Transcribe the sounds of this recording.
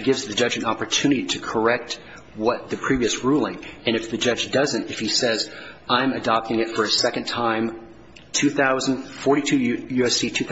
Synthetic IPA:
ɡɪvzðɨd͡ʒʌd͡ʒɨ̃nɑpə˞tʰʉ̃nɨɾiɾɨkʰə˞ɛk̚t̚ | wʌt̪̚ðɨpʰɹ̥iviɨsɹulˠɪ̃ŋɨ̃ñɨfðɨd͡ʒʌd͡ʒdʌzɨ̃ntɨfhisɛzãɪ̃mɨdɑp̚tɪ̃ŋɨtfə˞ɨsɛkɨ̃ntʰãɪ̃m | tʰʉθaʊzɨ̃n̩dfɔɹɾitʰʉjʉɛsitʰʉθ

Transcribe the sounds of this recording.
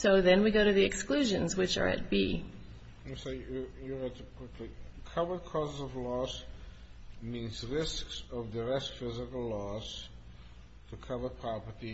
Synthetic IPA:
soʊðɨ̃nwiɡoʊɾɨðiɨksklʉʒɨ̃nzwɨt͡ʃə̰˞ɨ̰t̚b̥i | sojəɹɛd̚təkʰw̥ɪkʰlikʰʌvə˞d̚kʰɔzɨzʌvlɔs | mĩnzɹɪsksʌvdəɹɛstfɪzɪkəl̩ˠlɔs | tʰɨkʰʌvəpʰɹ̥ɑpəti

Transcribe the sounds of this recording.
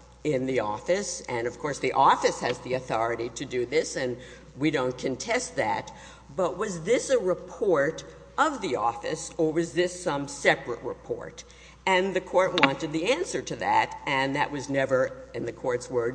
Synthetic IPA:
ɪ̃nðiɔfɨsɨ̃nʌv̥kʰɔɹsðiʔɔfɨshɨzðiɨθɔɹɨɾiɾɨdɨðɪsɨ̃n | wiɾõʊ̃nkʰɨ̃ntʰɛst̪̚ðæ̰t̚ | b̥ʌʔ̚wʌzðɪsɨɹɨpʰɔɹɾ | ʔʌvðiɔfɨ̰sə˞wʌzðɪsʌ̃msɛpɹɨ̰ʔ̚ɹɨ̰pʰɔ̰ɹɾ | ɨ̃nðɨkʰɔɹt̚wɑ̃ntɨd̪̚ðiæ̃nsə˞ɾɨðæ̰ɾɨ̃nðɨ̰ʔwʌznɛvə˞ɨ̃nðɨkʰɔɹtswɜ˞d

